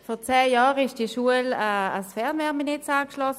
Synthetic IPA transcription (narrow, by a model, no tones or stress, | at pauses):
fɔʁt͡sɛːjɑːʁɪʃd̥iʃuəlaːsfɛʁnmɛːminɪt͡saːkʃlɔs